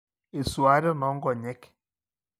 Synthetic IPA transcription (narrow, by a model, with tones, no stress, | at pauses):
e˨swa˨˦də˦mɔ˨˦ŋ̩˦ɡɔ˨ɲɛ˦k